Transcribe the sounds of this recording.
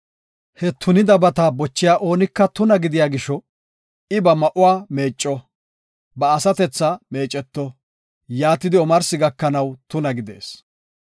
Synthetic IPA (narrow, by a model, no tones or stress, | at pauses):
hɛt̪ʰʊnɪd̪ɐbɐt̪aːbɔt͡ʃːɪjaːʔo̞ːnɪkːɐt̪ʊnɐɡɪd̪ɪjaːɡɪʃɔ | ɪbɐmɐʔʊwaːme̞ːt͡ʃʼːɔ | bɐːsɐt̪ɛt͡sːɐme̞ːt͡ʃʼːɛt̪ːɔ | jaːt̪ːɪd̪ɪɔmɐɾsɪɡɐkːɐnɐwt̪ʊnɐɡɪd̪e̞̰ːs